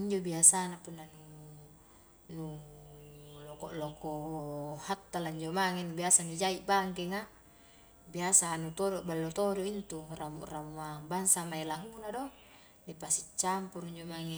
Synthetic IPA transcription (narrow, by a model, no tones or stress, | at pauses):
iɲd͡ʒobiasanapunːanu | nu | lokɔʔlokohat̪ːalaiɲd͡ʒomaŋenubiasanid͡ʒaiʔbaŋk̬ɛŋa | biasanut̪odoʔbalːot̪odoint̪uramṵʔramuabaŋsamailaɦunado | nipasit͡ʃːampuɾiɲd͡ʒomaŋe